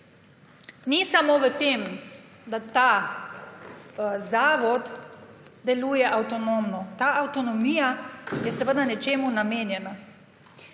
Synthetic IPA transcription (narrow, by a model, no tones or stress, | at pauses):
nisamoʋət̪eːm | d̪at̪aː | zaːʋɔd̪ | d̪ɛlujɛʔawt̪ɔnomnɔt̪aːʔawt̪ɔnɔmiːjajɛsəʋəd̪anɛt͡ʃeːmunameːnjɛna